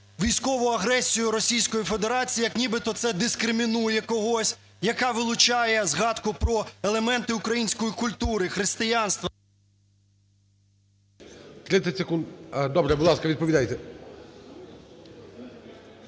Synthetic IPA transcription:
ʋʲijsʲkɔʋʊɐɦɾɛsʲijʊɾɔsʲijsʲkɔjife̞d̪eɾɑt͡sʲːjɐknʲibɪt̪ɔt̪sɛd̪ɪskɾɪmʲinujɛkɔɦɔsʲ | jɐkɑʋɪlˠʊt͡ʃɑjɛzɦɑd̪kʊpɾɔelˠemɛnt̪ɪʊkɾɐjinʲsʲkɔjikʊlʲt̪uɾɪxɾɪst̪ɪjanst̪ʋɐ | t̪ɾɪt̪sʲɐtʲsekund̪d̪ɔbɾɛbʊd̪lˠɑskɐʋʲid̪pɔʋʲid̪ajt̪ɛ

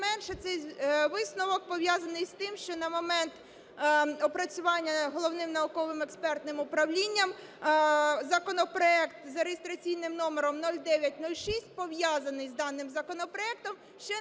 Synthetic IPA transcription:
mɛnʃɛt̪sɛjʋɪsnɔʋɔk̚pɔʋjazɐnɪjst̪ɪmʃt͡ʃɔnɐmɔmɛnt̪ | ɔpɾɐt͡sʲʊʋɑnʲːɐɦɔlˠɔwnɪmnɐʊkɔʋɪmɛkspɛrt̪nɪmʊpɾɐwlʲinʲːɐm | zɐkɔnɔpɾɔɛkt̪zɐɾejest̪ɾɐt͡sʲijnɪmnɔmeɾɔmnɔlʲd̪ɛʋʲjɐt̚ʲnɔlʲʃisʲt̚ʲpɔʋjazɐnɪjzd̪ɑnːɪmzɐkɔnɔpɾɔɛk̚t̪ɔm | ʃt͡ʃɛ

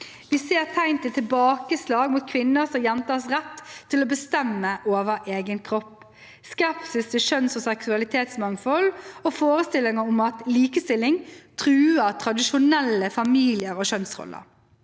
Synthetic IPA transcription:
ʋɪseːʁt̪ʰæɪnt̪ɪt̪ʰɪbɑːkəslɑːɡmuːt̪̚kʰʋɪnːəsɔmjɛnt̪ɑsʁɛt̪ʰːɪlɔbəst̪ɛmːəʔoːʋəɾʔeːɡənkʰɾɔpː | skɛpsɪskəʃœnsɔsɛksʉɑlɪt̪ʰeːt̪smɑŋfɔlofoːɾəst̪ɪlːɪŋəʊmɑt̪liːkəst̪ɪlːɪŋt̪ʰʁʉːəʁt̪ʰɾɑd̪ɪʃʊnɛlːəfɑmiːlɪəɾoʃœnsʁɔ̰lːə̰ɾ

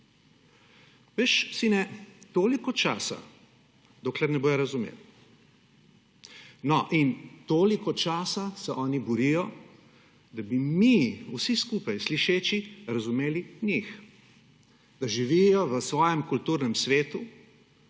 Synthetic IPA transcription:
ʋeːʃsinɛt̪oːlikɔt͡ʃa̰ːsa̰ | d̪oːklɛɾnɛboːjɔɾɐzumḛːw | nɔʔint̪oːlikɔt͡ʃaːsasɛʔɔːnibɔɾijɔ | d̪abimiusiskupajsliʃeːt͡ʃiɾazumeːliɲix | d̪̥aʒiʋijɔʋəsʋɔːjɛmkult̪uːɾnɛmsʋeːt̪u

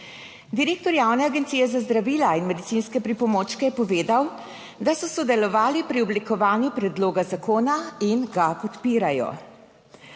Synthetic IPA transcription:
d̪iɾeːk̚t̪ɔɾjaːwnɛaɡɛnt̪sijɛzazd̪ɾaʋiːlainmɛd̪it̪siːnskɛpɾipɔmoːt͡ʃkɛjɛpɔʋeːd̪aw | d̪asɔsɔd̪ɛlɔʋaːlipɾiɔblikɔʋaːnjupɾɛd̪loːɡazakoːnainɡapɔt̪piːɾajɔ̰

